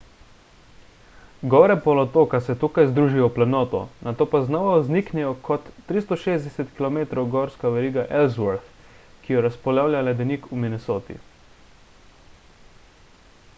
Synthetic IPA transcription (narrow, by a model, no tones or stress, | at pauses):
ɡɔːɾɛpɔlɔt̪oːkasɛt̪ukajzd̪ɾuːʒijɔplanɔːt̪ɔ̰nat̪oːpaznɔʋauzniknɛjɔkʰɔt̪ːɾist̪ɔʃeːzd̪ɛsɛt̪kilɔmeːt̪ɾɔwɡɔɾskaʋɛɾiːɡaʔɛlzʋɔɾt̪ | kijɛɾaspɔlawlʲjalɛd̪ɛnikuminɛsoːt̪ḭ